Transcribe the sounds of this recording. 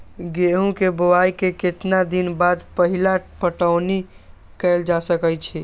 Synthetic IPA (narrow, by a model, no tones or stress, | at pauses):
ɡeɦũkebəwaikeket̪nad̪inbad̪pəɦilapəʈəʊnikɛld͡ʒasəkəjt͡ʃʰɛ